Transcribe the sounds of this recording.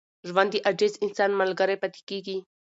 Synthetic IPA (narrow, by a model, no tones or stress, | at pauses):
ʒwand̪iʔad͡ʒezɪnsɑnmalɡəɾajpat̪e̥keɡi